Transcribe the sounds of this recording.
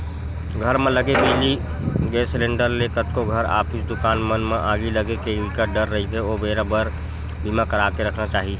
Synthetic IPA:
ɡʱəɾmẽləɡebeli | ɡesleɳɖəɾlekət̪koɡʱəɾa̰pʰit͡ʃd̪ukanmənmeʔaɡiləɡekeikəɖəɾːəɦit̪eobeɾabəɾ | bimakəɾakeɾəkʰnat͡ʃaːɦi

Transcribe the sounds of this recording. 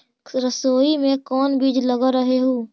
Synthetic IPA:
ɾəsoːimẽkɔːnbiːd͡ʒləɡaɾəɦeɦoː

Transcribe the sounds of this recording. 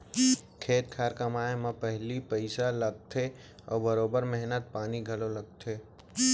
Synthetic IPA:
kʰeːt̪̚kʰaːɾkɐmaːemãpɛɦlipəɪsaləɡ̚t̪ʰe | ɔːbəɾoːbəɾmɛɦnət̪̚paːniɡʱɐloləɡ̚t̪ʰeː

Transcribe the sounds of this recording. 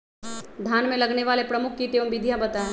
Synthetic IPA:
d̪ʱjaːnmẽlɐɡneʋaːlepɾɐmʊkʰːit̪eːʋɐ̃mbɪd̪ʱjabɐt̪a

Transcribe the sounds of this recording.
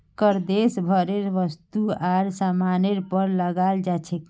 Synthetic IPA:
kəɾd̪esbʱəɾeɾʋəst̪uaɾsamaneɾpəɾləɡald͡ʒat͡ʃʰɛk

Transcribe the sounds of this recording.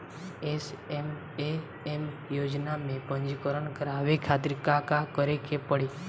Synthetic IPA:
esem | e | em | jod͡ʒnamẽpə̃nd͡ʒkəɾəɳkəɾaʋekʰat̪ɾɪkakakəɾekepəɽi

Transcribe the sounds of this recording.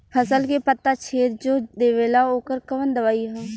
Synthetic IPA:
pʰəsəlkepət̪ːat͡ʃʰeːt̪d͡ʒoːd̪eːʋeːlaoːkəɾkəʋənd̪əʋaːiɦɛ̃ː

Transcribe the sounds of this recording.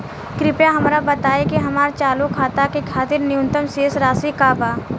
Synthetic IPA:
kɾɪpjaɦɐmɾabɐt̪aːekiɦɐmaːɾt͡ʃaːlukʰaːt̪akekʰaːt̪ɪɾnɪjʊ̃nt̪əmseːsɾaːsikaːbaː

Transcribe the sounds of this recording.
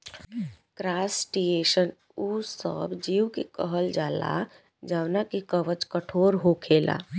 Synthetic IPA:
kɾaːsʈieːʃən | usə̰bd͡ʒiːwkekəɦəld͡ʒaːla̰ | d͡ʒaːwnakikəʋət͡ʃkəʈʰoːɾɦokʰeːla̰

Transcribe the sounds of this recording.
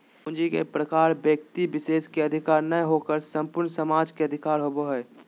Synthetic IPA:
nd͡ʒikḛpɾəkaːɾbjək̚t̪ibɪʃeːskeəd̪ʱɪkaːɾnəɦokəɾsə̃mpʊɾɳsəmaːd͡ʒkeɐd̪ʱɪkaːɾɦoboɦɛː

